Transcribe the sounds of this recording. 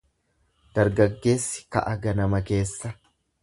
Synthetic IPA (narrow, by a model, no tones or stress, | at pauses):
d̪̥ɐɾɡɐɡːe̞ːsːɪ̥kɐ̰ʔɐɡɐnɐmɐke̞ːsːɐ